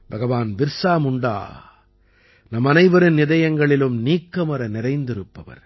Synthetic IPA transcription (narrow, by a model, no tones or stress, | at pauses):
bɐɣɐʋaːnbɪɾsaːmʊɳɖa̰ː | nɐmːɐnɐɪʋɐɾɯnːɪðɐjɐŋɡɐɭɪlɯmniːkːɐmɐɾɐnɪɾɐɪnd̪ɪɾɯpːɐʋɐ̰ɾ